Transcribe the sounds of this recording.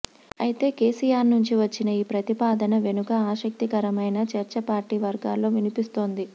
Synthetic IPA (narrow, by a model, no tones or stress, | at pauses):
ɐjit̪e̞ːke̞ːsijaːɾnuɲt͡ʃiʋɐt͡ʃːinɐiːpɾɐt̪ipaːd̪ɐnɐʋe̞nukɐaːʃɐk̚t̪ikɐɾɐmɐjnɐt͡ʃɐɾt͡ʃɐpaːɾʈiːʋɐɾɡaːlo̞ːʋinipist̪o̞ːnd̪i